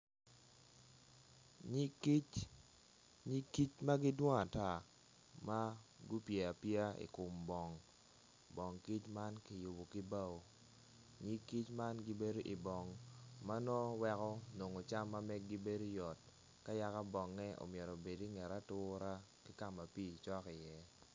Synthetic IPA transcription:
k | ɲi˦kːi˦t͡ʃma˦ɡɪ˦dwɔ˦ŋa˨ta˨ | ma˦ɡu˦pjɛ˨a˨pja˦ḭ˨kʊ˨mbɔ˨ŋ | bɔ˨ŋki˦t͡ʃma˦nki˨ju˨bo˨kɪ˦ba˦wo˨ | ɲi˦kːi˦t͡ʃma˦nɡi˦be˦do˦ʔi˨bɔ˨ŋma˦nɔ˦wɛ˦kɔ˦no˨ŋo˨t͡ʃa˦mːa˦mɛ˦ɡ̚ɡi˦be˦do˦jɔ˨t̚ | ka˦ja˦ka˦bɔ˨ŋːɛ˦o̰˨mjɛ˨ɾo˨be˨di˦ŋɛ˨ɾa˦tʊ˦ɾa˦ | kɪ˦ka˦ma˨pi˦˨t͡ʃɔ˦kɪ˨jɛ˦

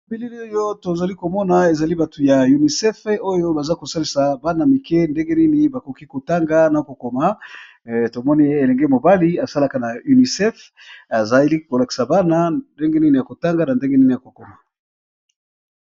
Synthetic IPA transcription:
bi˦li˦li˦o˦jo˦to˨za˨li˦ko˨mɔ˦na˨e˨za˨li˦ba˨tu˨ja˨ju˨ni˨sɛ˦fo˦jo˦ba˨za˦ko˨sa˦li˨sa˨ba˦na˨mi˨kɛ˦nde˦ŋɡe˦ni˦ni˨ba˨ko˨ki˦ko˨ta˦ŋɡa˦na˨ko˨ko˨ma˨ | to˨mɔ˦ni˦e˨lɛ˨ŋɡe˦mo˨ba˦li˦a˨sa˦la˦ka˨na˨u˨ni˨sɛ˦f | a˨za˦li˦ko˨la˨ki̥˨sa˨ba˦na˦nde˦ŋɡe˦ni˦ni˨ja˨ko˨ta˦ŋɡa˦na˨nde˦ŋɡe˦ni˦ni˨ja˨ko˨ko˨ma˨

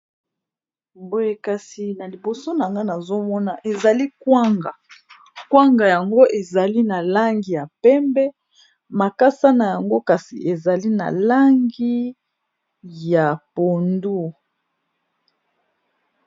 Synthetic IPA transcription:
bo˦je˨ka˨si˨na˨li˨bo˨so˦na˨ŋɡa˦na˨zo˦mɔ˦na˨ʔe˨za˨li˦kwa˦ŋɡa˨ | kwa˦ŋɡa˨ja˨ŋɡo˦ʔe˨za˨li˦na˨la˦ŋɡi˨ja˨pɛ˦mbɛ˦ | ma˨ka˦sa˦na˨ja˨ŋɡo˦ka˨sḭ˨ʔe˨za˨li˦na̰˨la˦ŋɡi˦ | ja˨po˨ndu˦

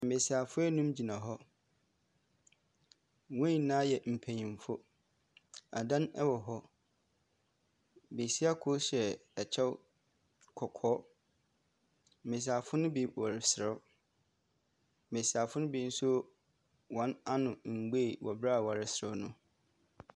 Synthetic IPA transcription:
m̩˨me˨si˨a˨fʊ˦ɛ˦nũ˦md͡ʑi˨nã˨ɦɔ˦ | wɛ̃˦˨nã˦jɛ˨m̩˨pʰæ̃˨ɲĩ˨m˨fʊ˦ | a̰˨dã˦nɛ˦wɔ˨ɦɔ˦ | be˨si˦a˦kʰʊ˦ɕɛ˨ɛ˨t͡ɕʰɛ˦w | kʰɔ˨kʰɔː˦ | mɪ̃˨s̬a˨fʊ˦nʊ̃˦bi˨wɔ˨ɾɪ˨sɪ˨ɾɛ˦˨ | mẽ˨si˨a˨fʊ˦nʊ̃˦bi˨˦n̩˦sʊ˦ | wɔ̃˨˦na˦nʊ̃˨ŋ͡m̩˨ɡ͡be˦˨wʔɔ̰˨bɾa˦˨wa˨ɾɪ˦sɾʊ˦nʊ̃˦

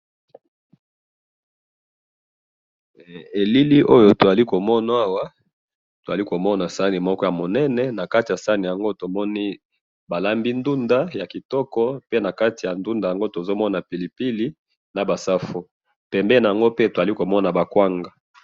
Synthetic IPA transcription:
e˨li˦li˦ʔo˦jo˨to˨za˨li˦ko˨mɔ˦na˨˦a˦wa˦ | to˨za˨li˦ko˨mɔ˦na˨sa˦ni˨mɔ˦kɔ˦ja˨mo˨nɛ˦nɛ˨na˨ka˦ti˨a˨sa˦ni˨ja˨ŋɡo˦to˨mɔ˦ni˦ | ba˨la˦mbi˦ndu˦nda˦ja˨ki˨tɔ˦kɔ˦pe˦na˨ka˦ti˨ja˨ndu˦nda˨ja˨ŋɡo˦to˨zo˦mɔ˦na˨pi˨li˨pi˦li˦ | na˨ba˨sa˦fo˦ | pɛ˨mbɛ˦na˨ja˨ŋɡo˦pe˦to˨a˨li˦ko˨mɔ˦na˨ba˨kwa˦ŋɡa˦

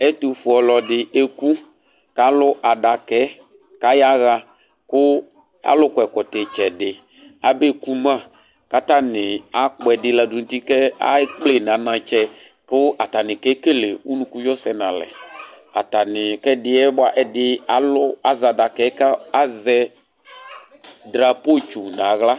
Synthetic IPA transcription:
ɛ˦tu˨fʊ˨ɔ˨lɔ˨dɪ˨e˦ku˦ | ka˦lʊ˦ʔa˨da˨kɛ˨˦ | ka˦ja˦ɣa˧ | kʊ˦ | a̰˨lʊ˦kʷɛ˨kɔ˨tɛ˨t͡ʃɛ˨dɪ˨ | a̰˨be˦ku˦mã˦˨ | ka˦ta˦nɪ˨a˨˦k͡pɔ˨ɛ˨dɪ˦la˨dʊ˨n̩˨˦ti˦kɛ˦a̰˦k͡ple˦˨n˨ã˨˦nã˨t͡ʃɛ˨ | kʊ˦a˨ta˨nɪ̃˨kɛ˦ke˦le˨u˦nũ˦ku˦jɔ˦sɛ˨nã˨lɛ̰˨ | a̰˨ta˨nɪ˨kɛ˦dɪ˦ɛ˦ba˨ʔɛ˨dɪ˦a˨lʊ˦a˨za˨da˨kɛ˨˦ka˦a˦zɛ˧ | dɾa˨po˦t͡ʃu˨na˨˦ɣla˦

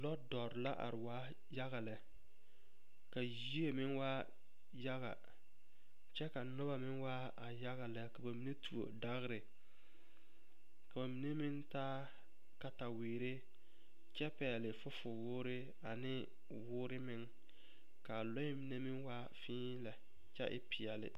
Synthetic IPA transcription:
lɔ˦dɔ˨ɾɪ˨la̰˦ʔa̰˨ɾɪ˨waː˦ | ja˦ɣa˨lɛ˨ | ka˨ji˦e˦mɪ˦nwa˦ | ja˦ɣa̰˨ | t͡ʃɛ˦ka˨nʊ˦ba˨mɪ˦ŋwa˦ | a˨ja˦ɣa˨lɛ˨ka˨ba˨mi˨ne˦tu˨o̰˨da˦ɣɪ˦ɾɪ˨ | ka˨ba˨mi˨ne˦mɪ˦ntaː˦ | ka˨ta˨weː˨ɾe˦ | t͡ʃɛ˦pɛː˨lɪ˨fʊ˦fʊ˨wʊː˦ɾɪ˦ | a˨nɪ˦ | wʊː˦ɾɪ˦mɪ˦ŋ | ka˨lɔ˦ɪ˦mi˨ne˦mɪ˦ŋwa˦ | fĩː˦lɛ˨ | t͡ʃɛ̰˦ʔɪ̰˦pɪ˨ɛ˨lɪ̰˨

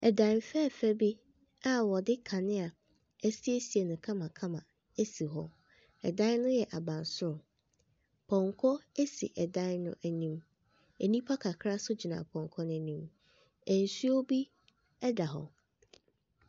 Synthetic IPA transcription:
ɛ˨dã˨nfɛ˦˨fæ˦bi˦ | a˨wɔ˨dɪ˦kʰa˨nɪ̃˦a˨ | æ˦si˦e˦si˨e˨nʊ̃˨kʰã˦mã˨kʰã˦mã˨ | æ˦si˨ɦɔ̰˦ | ɛ̰˨dã˦n˦nʊ̃˦jɛ˨ʔa˨bã˨nsʊ˦ɾʊ˨ | pʰɔ̃˨ŋkʰɔ˦e˦sḭ˨ʔɛ˨dã˦nnʊ̰̃˦ʔæ˨nĩ˦m | æ˨nĩ˦pʰa˦kʰa˨kʰɾa˦sʊ˦d͡ʑi˨nã̰˨pʰɔ̃˨ŋkʰɔ˦nʊ̃˦nĩ˦m | æ˨n̩˨su˦o˦bi˦ | ɛ˦da˨ɦɔ̰˨

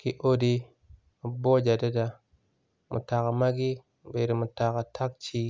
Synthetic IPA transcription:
ki˦ʔo˦di˦ | mu˨bo˦d͡ʒa˨da˦da˨ | mṵ˨ta˨ka˨ma˦ɡi˦˨ | be˨ɾi˨mu˨ta˨ka˨tʰa˦k̚t͡ʃi˦

